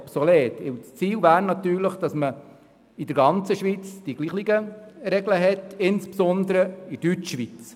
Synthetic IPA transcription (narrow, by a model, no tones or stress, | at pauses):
psɔleːtɪwt͡st͡siːwvæːɾnɑtyːɾləχd̥ɑsmə | idəɾɡɑnt͡səʃʋit͡sd̥iɡliːχiɡəɾɛɡləɦɛtɪnspsɔnd̪əɾəidyt͡ʃʃʋit͡s